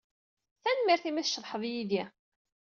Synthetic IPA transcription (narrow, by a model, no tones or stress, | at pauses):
θænmiɾθimiθʃɾˤħəðˤjiði